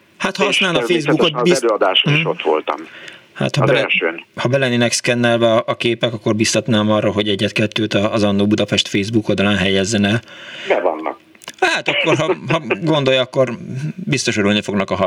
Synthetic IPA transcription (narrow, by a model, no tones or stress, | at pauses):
hat̪hɒɒsnaːlnɒfeːzbukot̪biɛløːɒd̪aːʃoiʃot̪ʋo̞̰lt̪ɒ̰mha̰t̪hɒbɛɛlʃøːnhɒbɛlɛnːiːnɛkskɛnːɛlbɛɒʔɒkeːpɛkɒkːo̞rbist̪ɒt̪naːmɒrːɒɦo̞ɟɛɟːɛt̪kɛt̪ːøːt̪ɒːzɒnːoːbud̪ɒpɛʃt̪feːzbukold̪ɒlaːnɦɛjɛzːɛnɛbɛvɒ̰nːɒ̰k | haːt̪ɒkːo̞ɾɦɒɦɒɡo̞nd̪o̞jɒkːo̞rbist̪o̞ʃoɾulnifo̞ɡnɒkɒɦɒ